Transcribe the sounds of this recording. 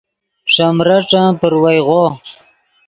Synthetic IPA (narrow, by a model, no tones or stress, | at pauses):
ʂamɾaʈ͡ʂãpəɾwajʁo